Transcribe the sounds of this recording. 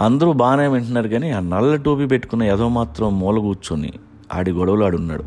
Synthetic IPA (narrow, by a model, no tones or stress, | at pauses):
ɐnd̪ɐɾubaːneːʋeɳʈɐnaːɾuɡaːnenɐlːɐʈoːpip̬eʈːu̥kunːɐɛd̪oːmaːt̪ɾɐmːɔːlɐɡuːt͡ʃunḭ | ɐ̰ɽiɡɔɽɐʋɐluɐɽunːa̰ːɽu